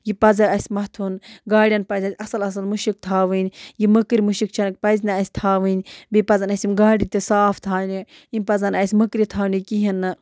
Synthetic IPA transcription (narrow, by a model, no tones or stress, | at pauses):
jipɐzɐɐsʲmɐt̪ʰunɡaːɽʲijɐnpɐzʲɐsʲɐsɐlɐs̬ɐlmuʃik̚t̪ʰaːʋɨnʲjiməkɾimuʃik̚t͡ʃʰɐnɨk̚pɐzʲnɐɐsʲt̪ʰaːʋɨnʲbipɐzɐnɐsʲimɡaːɽit̪isaːft̪ʰaːni | imʲpɐzɐnɐsʲmɐkɾit̪ʰaːnikiɦinːɨ